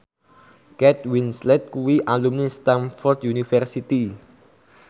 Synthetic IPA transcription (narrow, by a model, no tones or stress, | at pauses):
kɛt̪winslɛt̪̚kuwiʔalumnest̪anfɔrd̪junifɛrsit̪i